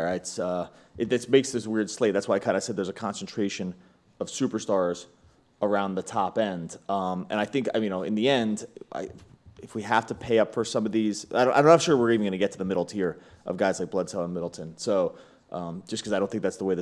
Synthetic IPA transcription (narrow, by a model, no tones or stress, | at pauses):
ɪtsʌ | ʔɨðɨtsmeɪksðɪswɪɹd̥sleɪðætswaɪakʰãɪ̃ndɨsɛd̪̚ðə˞zɨkʰɑ̃nsn̩tʰɹ̥eɪʃɨ̃n | ʌv̥sʉpə˞stɑɹz̥ | ʔə˞ãʊ̃nðətʰɑpɛ̃nd̥ʌ̃mʔɨ̰̃ñaɪθɪ̃ŋkaɪjɨnoʊɨ̰̃nðiɛ̃ndʔa̰ɪɨfwiɦæftɨpʰeɪʌpfə˞sʌ̃mʌvðiz̥a̰ɪɾõaɪɾ̃naʃʊɹwɪɹivɨn̩ɡʌ̃nɨɡɛtʰɨðəmɪɾl̩ˠthiɹʔʌ̰vɡaɪzlaɪb̥lʌdsoʊə̃nmɪɾl̩ˠtʰɨ̃nsoʊ | ʔʌ̃md͡ʒ̥ʌskʰʌzaɪɾõʊ̃θɪ̃ŋk̚ðætsðəweɪð